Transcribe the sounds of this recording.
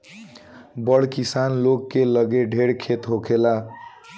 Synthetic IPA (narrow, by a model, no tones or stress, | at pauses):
bəɽkisanlokːeləɡeɖʱeɽkʰet̪ɦokʰela